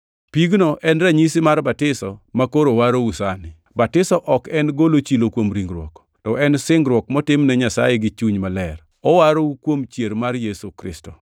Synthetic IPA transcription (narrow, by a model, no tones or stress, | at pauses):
piɡnoʔɛnɾaɲisɪmarbatɪsɔmakoɾowaɾousanɪ | batɪsɔʔɔkɛnɡolot͡ʃilokwomɾiŋɡɾwɔ̰k | tɔʔɛnsɪŋɡɾwɔkmɔtɪmnɛɲasa̰jeɡɪt͡ʃuɲmalɛr | ɔwaɾoukwomt͡ʃjeɾmarjesukɾɪ̰stɔ̥